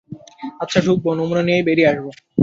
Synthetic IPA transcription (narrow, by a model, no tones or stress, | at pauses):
atːɕʰaʈʰuk̚bonomunaniejbeɾiaʃbo